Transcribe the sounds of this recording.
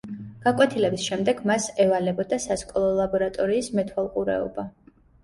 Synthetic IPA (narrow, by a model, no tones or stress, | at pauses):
ɡ̥akʼwɛt̪ʰilɛbisʃɛmd̪ɛɡmasɛvalɛbɔd̪asaskʼɔlˠɔlˠabɔɾat̪ʼɔɾiːsmɛt̪ʰwalˠqʼuɾɛ̰ɔ̰ba